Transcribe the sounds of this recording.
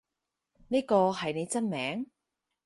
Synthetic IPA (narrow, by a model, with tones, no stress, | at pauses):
niː˥kɔː˧hɐ˨jne˨˧jt͡sɐ˥nmɛː˨˥ŋ